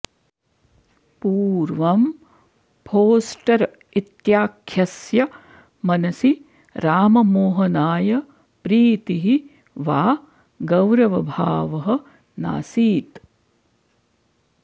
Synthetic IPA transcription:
puːɾʋɐm | pʰoːsʈɐɾ | it̪jaːkʰjɐsjɐ | mɐnɐsi | ɾaːmɐmoːɦɐnaːjɐ | pɾiːt̪iɦi | ʋaː | ɡɐwɾɐʋɐbʱaːʋɐɦɐ̆ | na̰ːsiːt̪

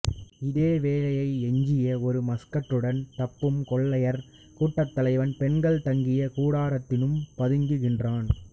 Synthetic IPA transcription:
ɪðeːʋeːlɐjɐɪɛɲd͡ʒɪjɐɔɾɯmɐskɐʈːɯɽɐnt̪ɐpːɯmkɔɭːɐjɐɾ | kuːʈːɐt̪ːɐlɐɪʋɐnpɛnɡɐɭt̪ɐŋɡɪjɐkuːɽaːɾɐt̪ːɪnɯmpɐðɯŋɡɯɣɪndraːn

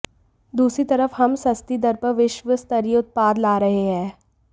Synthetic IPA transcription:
d̪uːsɾit̪ɐɾəfhɐmsɐst̪id̪ɐɾpəɾʋɪʃʋəst̪ɐɾijəʊt̪̚paːd̪laːɾɐɦeɦɛ̃ː

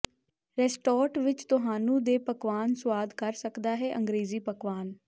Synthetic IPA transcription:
ɾɛːsʈɔːɾʈʋɪt͡ʃt̪ʊɦaːnũːd̪eːpəkʋaːnswaːd̪kəɾsəkd̪aːɦɛːʔə̃ŋɡɾeːziːpəkʋaːn

